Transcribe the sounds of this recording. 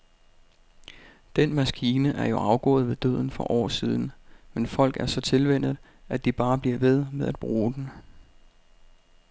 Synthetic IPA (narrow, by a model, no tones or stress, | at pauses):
d̥enmæsɡ̥iːnəʔæɐjo̝ʔɑ̈ʊɡ̥ɔ̰̽ːð̞̩ˠʋe̝d̥ø̰ð̰ˠn̩fɒ̽ʔɒ̰ːsiːð̞ˠn̩menfɒ̽l̰ɡ̥æɐsɒ̽t͡sʰe̝lʋen̰ð̩ˠ | æd̥ib̥ɑ̈ːb̥liɐʋe̝ð̞ˠmeðˠæd̥̚b̥ʁuːd̥en